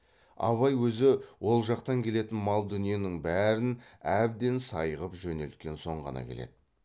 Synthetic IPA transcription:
ɑ̰βɑjwɵzɪwo̞lˠʒɑqt̪ɑŋkʲʰe̞le̞t̪ɪnmɑlˠd̪ʏnije̞nɪŋbæɾɪnæb̚d̪e̞nsɑjəʁəpʒɵne̞lt̪̚kʲe̞nso̞ɴʁɑ̰nɑ̰kʲʰe̞le̞̰d̪ɪ

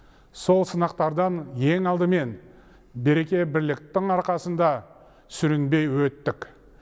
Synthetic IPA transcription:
so̞lˠsənɑqt̪ɑɾd̪ɑnje̞ŋɑlˠd̪əme̞n | be̞ɾe̞kʲe̞bɪɾlɪk̚t̪ɪŋɑɾqɑsənd̪ɑ | sʏɾɪnbe̞jwɵt̪ːɪk

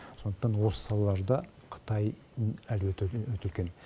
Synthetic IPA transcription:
so̞nd̪ə̥qt̪ɑnwo̞sə̥sɑlˠɑlˠɑɾd̪ɑ | qʰə̥t̪ɑj | ælwɵt̪ɪlkʲe̞n

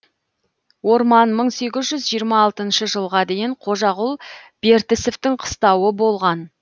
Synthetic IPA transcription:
wo̞ɾmɑnməɴse̞ɡʲɪzʒʏzʒijəɾmɑːlˠt̪ənʃəʒəlˠʁɑd̪e̞jɪɴqʰo̞ʒɑʁʊlˠb̥e̞ɾt̪ɪseft̪ɪŋqʰə̥st̪ɑwəbo̞lˠʁɑn

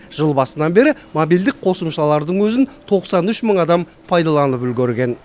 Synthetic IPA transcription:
ʒ̥əlˠbɑsənɑnbe̞ɾɪmobild̪ɪk̚qʰo̞səmʃɑlˠɑɾd̪əɴwɵzɪnt̪ʰo̞qsɑnʏʃməɴɑd̪ɑm | pʰɑjd̪ɑlˠɑnəpʏlɡʲeɾɡʲe̞n

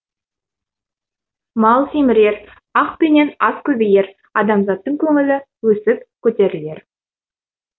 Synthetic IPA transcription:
mɑlˠsimɪɾe̞ɾ | ɑqpene̞nɑskʲʰɵbeje̞ɾ | ɑd̪ɑmzɑt̪ːəɴkʲʰɵŋɪlɪ | wɵsɪp̚kʲʰːɵt̪e̞ɾɪle̞ɾ

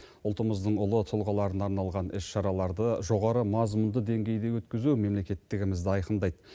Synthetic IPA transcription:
ʊlˠt̪əməzd̪əɴʊlˠət̪ʰʊlˠʁɑlˠɑɾənɑɾnɑlˠʁɑnɪsʃɑɾɑlˠɑɾd̪əʒo̞ʁɑɾəmɑzmʊnd̪əd̪e̞ŋɡʲe̞jd̪e̞wɵt̪kʲɪzume̞mlekʲe̞t̪ːɪɡʲɪmɪzd̪ɪɑjqənd̪ɑjd̪ə

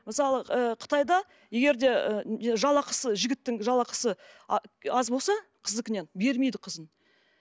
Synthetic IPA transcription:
məsɑlˠəəqʰə̥t̪ɑjd̪ɑ | je̞ɡʲe̞ɾd̪e̞əʒɑlˠɑqʰə̥səʒɪɡʲɪt̪ːɪŋʒɑlˠɑqə̥sə | ɑzbolsɑqʰəzəkʲɪne̞nbe̞ɾme̞jd̪ɪqʰəzən

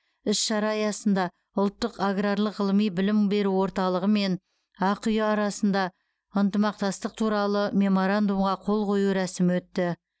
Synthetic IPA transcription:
ɪsʃɑɾɑjɑsənd̪ɑ | ʊlˠt̪ːəqaɡraɾlˠəʁəlˠəmijbɪlɪmbe̞ɾuwo̞ɾt̪ɑlˠəʁəme̞n | ɑqʰʏjəɑɾɑsənd̪ɑ | ənt̪əmɑq̚t̪ɑst̪əq̚t̪ʰuɾɑlˠəmʲe̞mo̞ɾand̪umʁɑqʰo̞lˠqʰo̞juɾæsɪmwɵt̪ːɪ

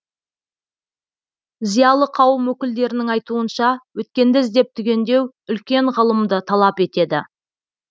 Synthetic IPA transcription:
zijɑlˠəqʰɑwəmwɵkʲɪld̪e̞ɾɪnɪŋɑjt̪uənʃɑwɵt̪̚kʲe̞nd̪ɪzd̪e̞p̚t̪ʰʏɡʲe̞nd̪e̞w | ʏlkʲe̞ɴʁəlˠəmd̪ət̪ʰɑlˠɑpe̞t̪e̞d̪ɪ̰

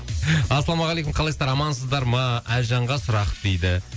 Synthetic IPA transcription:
ɑsɑlˠɑmɑʁɑlejkʊmqʰɑlˠejsɑɾɑmɑnsəzd̪ɑɾmɑælʒɑɴʁɑsʊɾɑqd̪̥ejd̪ɪ

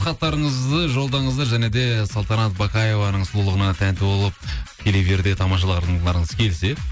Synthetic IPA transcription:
χɑt̪ːɑɾəɴəzd̪əʒo̞lˠd̪ɑɴəzd̪əʒæne̞d̪e̞sɑlˠt̪ɑnɑt̪̚bɑkɑje̞vɑnəɴsʊlˠulˠəʁənɑt̪ʰænt̪ɪbo̞lˠəp̚kʲʰeleve̞ɾd̪e̞t̪ʰɑmɑʃ̬ɑlˠəq̪ːˠɑɾəɴəzəkʲʰe̞lse̞

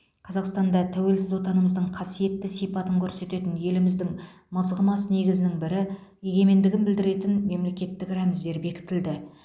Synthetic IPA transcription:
qʰɑzɑqst̪ɑnd̪ɑt̪ʰæwe̞lsɪzwo̞t̪ɑnəməzd̪əɴqʰɑsije̞t̪ːɪsijpɑt̪əŋkʲʰɵɾse̞t̪e̞t̪ɪnje̞lɪmɪzd̪ɪŋ | məzʁəmɑsəne̞ɡʲɪzɪnɪŋbɪɾɪje̞ɡʲe̞me̞nd̪ɪɡʲɪnbɪld̪ɪɾe̞t̪ɪnme̞mle̞kʲe̞t̪ːɪkɾæmɪzːe̞ɾbe̞kʲɪ̥t̪ɪld̪ɪ

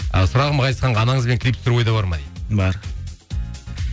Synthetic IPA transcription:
əsʊɾɑʁəmqʰɑjt̪sqɑɴɑːnɑŋəzbe̞ŋkʰʲɪlipsɾwo̞jd̪ɑbɑɾmɑd̪ebɑɾ

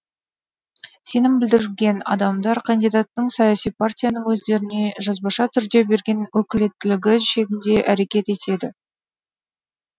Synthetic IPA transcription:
se̞nɪmbɪld̪ɪɾlɡʲe̞nɑ̰d̪ɑmd̪ɑɾkʰand̪ijd̪at̪ːəɴsɑjasijpʰart̪ʲijanəɴwɵzd̪e̞ɾɪne̞ʒɑzbɑʃɑt̪ʰʏɾd̪e̞be̞ɾɡʲe̞nwɵkʲɪle̞t̪ːɪlɪɡʲɪʃe̞ɡʲɪnd̪e̞ʔæɾe̞kʲe̞t̪e̞t̪e̞d̪ɪ

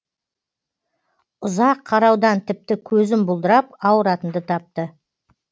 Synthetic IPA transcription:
ʊzɑqʰːɑɾɑwd̪ɑnt̪ʰɪp̚t̪ɪkʲʰɵzɪmbʊlˠd̪əɾɑpɑwəɾɑt̪ənd̪ət̪ʰɑp̚t̪ə

